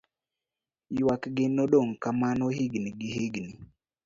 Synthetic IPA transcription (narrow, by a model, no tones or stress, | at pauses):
jwakɡɪnoɗoŋkamanɔɦiɡniɡɪɦeɡni